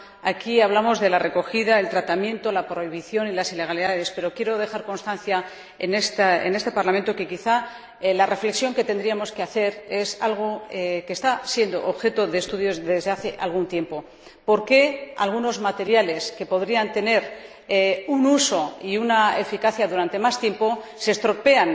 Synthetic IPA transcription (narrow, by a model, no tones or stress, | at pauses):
akiaβlamo̞zðelare̞ko̞xiðae̞lt̪ɾat̪amjẽ̞nt̪o̞lapɾo̞iβiθjo̞nilasile̞ɣ̞aliðaðe̞spe̞ɾo̞kje̞ɾo̞ð̞e̞xaɾko̞nst̪anθja | enest̪aḛne̞st̪e̞paɾlament̪o̞ke̞kiθa | lare̞fle̞ksjo̞ŋke̞t̪e̞nd̪ɾiamo̞ske̞aθe̞ɾe̞salɣ̞o̞ekest̪asje̞nd̪o̞ʔoβxe̞t̪o̞ðe̞ːst̪uðjo̞zðe̞zðe̞aθe̞ʔalɣunt̪je̞mpo̞ | po̞ɾke̞a̰lɣ̞uno̞zmat̪e̞ɾjale̞ske̞po̞ðɾiant̪e̞ne̞ɾ | unuso̞iunae̞fikaθjaðuɾant̪e̞mast̪jempo̞ | se̞st̪ɾo̞pe̞an